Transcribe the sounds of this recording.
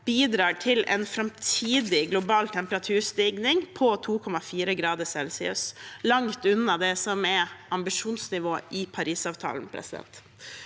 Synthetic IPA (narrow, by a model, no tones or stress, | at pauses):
b̥iːd̪ɾɑːʈʰɪlɛ̰nfɾɑmt̪ʰiːd̪ɪɡlʊbɑːlt̪ʰɛmpəɾɑt̪ʰʉːɾst̪iːɡnɪŋpʰɔt̪ʰuːkʰɔmɑfiːɾəɡɾɑːd̪əsɛlsɪʉslɑŋt̪ʉnːɑd̪ɛsɔmɛɑmbɪʂuːnsnɪʋoːʔɪpʰɑɾiːsɑːʋt̪ʰɑ̰ːln̩pʰɾɛ̰sɪd̪ɛ̰nt̪